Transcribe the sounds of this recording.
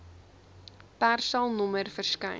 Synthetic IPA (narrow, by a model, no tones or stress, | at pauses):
pærsɐlˠnɔmərfərskəj